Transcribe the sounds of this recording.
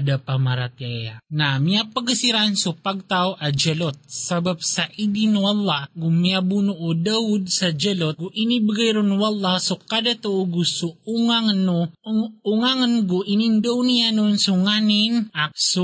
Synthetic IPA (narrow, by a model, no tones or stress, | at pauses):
d̪apamaɾat̪iajanamiapaɡasiɾansopaɡ̚t̪awʔad͡ʒɛlot̪̚sabap̚saʔid̪inowalˠːaɡʊmiabunuʔod̪aʊd̪̚sad͡ʒɛlot̪̚ɡuʔinibaɡajɾonwalːasokad̪at̪ɐʔoɡusuuŋaŋnouŋaŋnɡoʔinind̪ownijanonsuŋaninak̚su